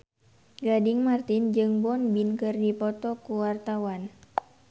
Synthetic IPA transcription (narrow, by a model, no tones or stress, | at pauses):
ɡadɪŋmart̪ɪnd͡ʒɨŋbɔnbinkɨrdipɔt̪ɔkuwart̪awan